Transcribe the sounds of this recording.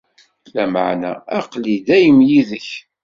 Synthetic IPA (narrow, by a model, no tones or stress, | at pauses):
læmə̰ʕnæ̰æqlid̪æjəmjiðəç